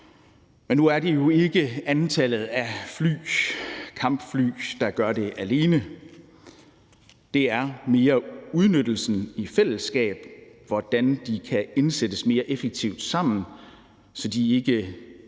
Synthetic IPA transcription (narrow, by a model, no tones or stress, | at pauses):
menːuæɐd̥ejo̝e̝ɡ̥əænt͡sʰælð̞̩ˠæfly̰ːkʰɑ̈m̰b̥fly̰ːd̥ɑ̈ɡ̥ɶɐde̝ʔæle̝ːnə | d̥e̝æɐme̝ːɐuð̞ˠnød̥l̩sn̩ifel̰əsɡ̥ɛ̰ːb̥ʋɒd̥ænd̥ikʰæe̝nsed̥əsme̝ːɐʔefeɡ̥̚t͡sʰiʊd̥sɑ̈m̰n̩ | sɒ̽d̥ie̝ɡ̥ə